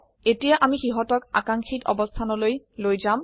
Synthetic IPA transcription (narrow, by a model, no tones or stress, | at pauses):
etijaʔamixiɦɔtɔka̰kaŋxitɔ̰bɔst̪ʰanɔlojlojzam